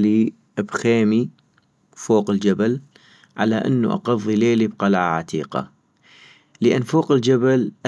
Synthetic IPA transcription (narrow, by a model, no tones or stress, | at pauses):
li | ʔbxeːmi | foːqɪld͡ʒabal | ʕa̰laʔɪ̰nːṵʔɑ̰qɑðˤːileːlibqɑlʕaʕat̪ʰiːqa̰ | ləʔɪnːfoːqɪld͡ʒabalʔa